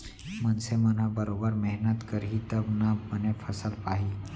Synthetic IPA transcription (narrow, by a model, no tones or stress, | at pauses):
mɐnsemɐnabɐɾoːbəɾmɛɦnət̪kɐɾɦit̪ɐbnɐbɐnefʰɐsəlpaːɦiː